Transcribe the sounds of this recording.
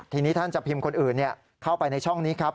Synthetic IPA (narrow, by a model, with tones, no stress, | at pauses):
t̪ʰiː˧niː˦˥t̪ʰa˥˩nt͡ɕa˨˩pʰi˧mkʰo˧nʔɯː˨˩nːi˥˩ɐ | kʰa˥˩wpa˧jna˧jt͡ɕʰɔ˥˩ŋniː˦˥kʰa˦˥p̚